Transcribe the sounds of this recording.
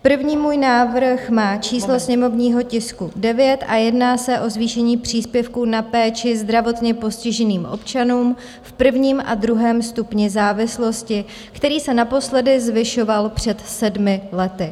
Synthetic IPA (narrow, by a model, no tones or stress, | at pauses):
pr̩vɲiːmuːjnaːvr̩xmaːt͡ʃiːslosɲɛmo̞vɲiːɦo̞cɪskudɛvjɛt̪ʔajɛdnaːsɛʔo̞zviːʃɛɲiːpr̝̥iːspjɛfkuːnapɛːt͡ʃɪzd̪ɾavo̞t̪ɲɛpo̞scɪʒɛniːmʔo̞̰pt͡ʃanuːm | fpr̩vɲiːmʔa̰dɾuɦɛːmst̪upɲɪzaːvɪslo̞scɪ | kt̪ɛɾiːsɛnapo̞slɛdɪzvɪʃo̞valpr̝̥ɛt̪sɛdmɪlɛt̪ɪ